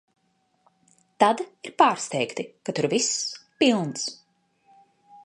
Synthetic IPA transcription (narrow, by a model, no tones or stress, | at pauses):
t̪ad̪iɾpaːɾst̪ɛjkt̪ikat̪uɾvispilˠns